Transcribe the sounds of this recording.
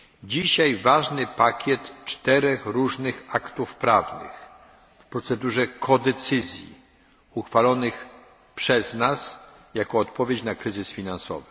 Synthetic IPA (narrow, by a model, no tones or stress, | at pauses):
d͡ʑiɕajvaʐnɘpakʲjɛt̪t͡ʂt̪ɛɾɛxɾuʐnɘxakt̪ufpɾavnɘ̰x | fpɾɔt̪sɛd̪uʐɛkʰɔd̪ɛt̪sɘzʲjḭ | uxfalɔnɘx | pʂɛznas | jakɔːt̪pɔvʲjet͡ɕnakɾɘzɘsfʲinansɔ̰vɘ